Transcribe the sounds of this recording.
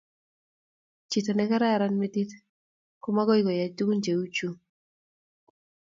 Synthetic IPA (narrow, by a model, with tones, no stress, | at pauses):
t͡ʃi˨t̪ɔ˨nɛ˦ka˦ɾa˦a˨ɾa˦nme˦di˦t̪ | kʊ˦ma˦ɡɔ˦ɪɡɔ˨ja˨du˦ɡu˦nd͡ʒe˨u˦t͡ʃu˦